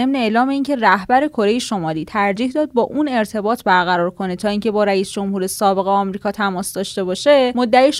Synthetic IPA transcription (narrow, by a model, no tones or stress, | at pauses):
emneeːlɒːme̞iːncʰe̞ræhbæɾe̞kʰo̞ɾe̞jeʃo̞mɒːliːt̪ʰæɾd͡ʒiːhd̪ɒːd̪̚bɒːʔune̞ɾt̪ʰe̞bɒːt̪ʰbæɾɣæɾɒːɾkʰo̞ne̞t̪ʰɒːiːŋcʰe̞bɒːɾæiːsd͡ʒo̞mhuːɾe̞sɒːbe̞ɣeɒːmɾiːkʰɒːt̪ʰæmɒːsd̪ɒːʃt̪e̞bɒːʃe̞mod̪ːæiʃ